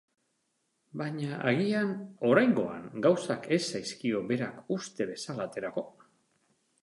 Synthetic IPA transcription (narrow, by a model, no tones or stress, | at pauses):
baɲaʔaɣ̞iano̞ɾajŋɡo̞a̰ŋɡawsakʰe̞sajskio̞be̞ɾakust̪e̞βe̞salat̪e̞ɾako̞